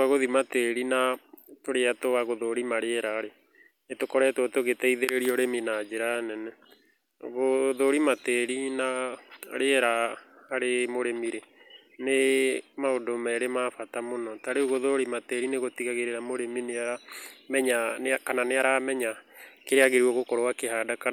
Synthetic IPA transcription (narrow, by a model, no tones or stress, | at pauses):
aɣoðimateɾinatoɾeatoaɣoðoɾimaɾeɛɾaːɾe | netokɔɾɛtwotoɣetɛiðeɾeɾiɔɾeminad͡ʒeɾanɛnɛ | ɣoðoɾimateɾinaɾeɛɾaaɾemoɾemiɾe | nemaodomɛɾemafatamonɔtaɾeuɣoðoɾimateɾineɣotiɣaɣeɾeɾamoɾemineaɾamɛɲankananeaɾamɛɲakeɾeaɣeɾuwɔɣokɔɾoakeɦaːdaka